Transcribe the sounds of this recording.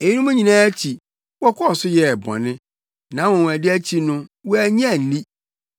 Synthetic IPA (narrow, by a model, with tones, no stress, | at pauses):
e˨ji˦nʊ̃˦mʊ̃˦ɲĩ˨nãː˦æ˦t͡ɕʰi˨ | wɔ˦kʰɔ˦ɔ˨sʊ˦jɛ˦˨bɔ̰̃˨nɪ̃˦ | nã˨˦wɔ̃˨w̃æ˨dɪ˦æ˦t͡ɕʰi˦nʊ̃˦wɔ˦æ˨ɲ˦ã˦˨n̩˨lĩ˦